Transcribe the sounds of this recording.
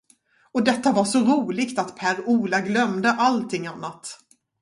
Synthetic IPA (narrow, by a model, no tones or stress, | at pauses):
ɔd̪ɛt̪ːavaʂɔɾuːlɪɡt̪at̪pʰæːɾuːlaɡlœmd̪əʔalt̪ʰɪŋːanːat̪